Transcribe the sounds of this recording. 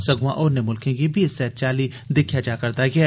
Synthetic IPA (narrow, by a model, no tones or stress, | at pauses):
sɐɡãʔɔːɾnemʊlkʰẽkibʱiːsːɛːt̪̚t͡ʃaːli | d̪ɪkʰjad͡ʒaːkɐɾt̪aɡɐɛː